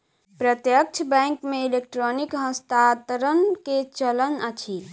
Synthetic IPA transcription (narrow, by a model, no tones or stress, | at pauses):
pɾət̪jək̚t͡ʃʰəbɛ̃ŋkmeilek̚ʈɾonikɦə̃st̪at̪əɾənket͡ʃələnət͡ʃʰi